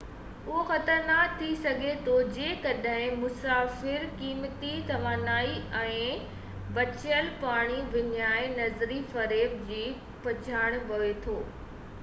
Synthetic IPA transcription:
ʊɦoxɐt̪əɾnaːkt̪ʰːisɐɡʱet̪ʰod͡ʑẽːkɐɗɦɪ̃mʊsaːfɪɾkiːmt̪it̪ɐʋaːnaːiɛ̃ː | ʋɐt͡ɕəlpaːɽ̃iʋɪnjaːenɐzɾifɐɾeːbd͡ʑiː | pɐt͡ɕʰaːɽ̃ʋɐʋet̪ʰoː

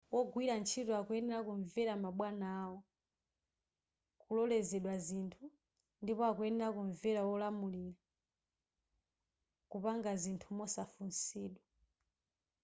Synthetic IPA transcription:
wɔɡwiɾant͡ʃʰitɔakuɛnɛɾakuɱvɛɾamaɓwanaːwɔ | kulɔlɛzɛɗwazintʰu | ndipɔakuɛnɛɾakuɱvɛɾawɔlamuliɾa | kupaŋɡazintʰumɔsafunsiːɗwa

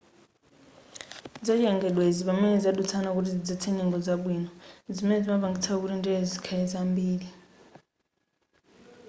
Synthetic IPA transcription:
d͡zat͡ʃɛŋɡɛɗweziɓamɛnɛd͡zaɗut͡sʰanak̬utid͡zit͡sʰɛɲɛŋɡɔd͡zaɓwiːnɔzimɛnɛd͡zimaβaŋɡit͡sʰak̬uɾindʱɛzikʰaɛzambiːli

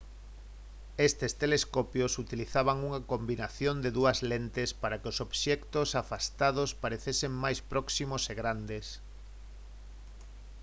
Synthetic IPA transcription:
est̪est̪eleskopjosut̪iliθaβaŋuŋakombinaθjond̪eðuɐzlent̪espaɾakɪosoβʃɛkt̪osafast̪aðospaɾeθeseŋmajspɾɔksimoseɣɾand̪es

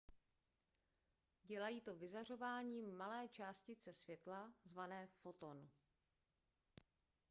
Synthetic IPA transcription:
ɟɛlajiːt̪o̞vɪzar̝o̞vaːɲiːmalɛːt͡ʃaːscɪt͡sɛsvjɛt̪lazvanɛːfo̞t̪on

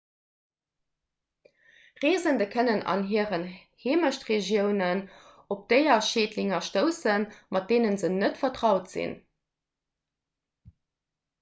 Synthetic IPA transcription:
ʁeːzəndəkʰənənɑ̰nɦiːəʁənheːməʃtʁeʒjəʊnən | op̚d̥əɪɐʃeːtliŋɐʃtəʊsənmɑt̚d̥eːnənzənətfɐtʁɑʊtz̥ḭn

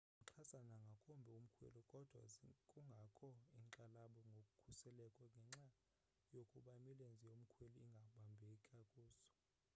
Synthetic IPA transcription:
uǁʰasanaŋɡʱakʰʼumbʱɛum̩kʰwḛlɔkʼɔd̥ʱwa̰kʼuŋɡʱakʰɔiŋǁalaɓɔŋɡʱokʼukʰusɛlɛkʼɔŋɡʱɛŋ͡ǁa | jokʼuɓamilend͡zʱijom̩kʰwelɔiŋɡʱaɓambʱekʰʼakʼuːsɔ̥

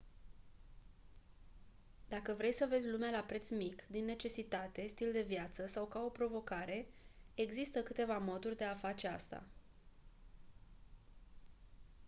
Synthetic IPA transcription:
d̪̥akəvɾe̞jsəve̞zʲlumealapɾe̞t̪smikd̪inːe̞t͡ʃe̞sit̪at̪e̞st̪ild̪e̞vjat̪səsawkao̞pɾo̞vo̞kaɾe̞eɡzist̪əkɨt̪e̞vamo̞d̪urʲd̪e̞afat͡ʃe̞ast̪a̰

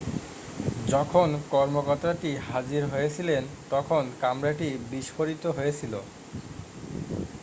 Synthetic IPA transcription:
d͡ʑɔkʰonkɔɾmokɔɾt̪ːɾaʈiɦad͡ʑiɾɦojet͡ɕʰilent̪ɔkʰonkamɾaʈibiʃfoɾit̪oɦojet͡ɕʰilo

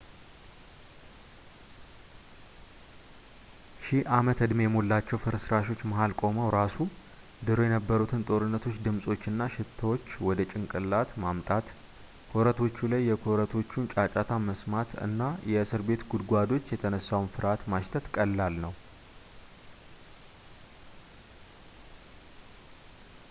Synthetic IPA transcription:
ʃiʔamət̪ʰɨd̪mjɛmolːat͡ʃːɛwfɨɾsɨɾaʃo̞t͡ʃːmaɦalkʼo̞məwɾasu | d̪ɨɾo̞jɛnəbːəɾut̪ʰɨnt̪ʼo̞ɾɨnːət̪ʰo̞t͡ʃːd̪ɨmsʼo̞t͡ʃːɨnːaʃɪt̪ʰːəwo̞t͡ʃːwɔd̪ət͡ʃʼɪŋkʼɨlːat̪mamt̪ʼat̪ | kʰo̞ɾət̪ʰo̞t͡ʃːulajːɛkʰoɾət̪ʰo̞t͡ʃːunt͡ʃʼat͡ʃʼat̪ʰaməsmat̪ʰɨ̰nːajɛɨsɨɾbe̞t̪ɡud̪ɡʷad̪o̞t͡ʃːjɛt̪ʰənəsːawnfɨɾat̪maʃt̪ʰət̪kʼəlːalnəw

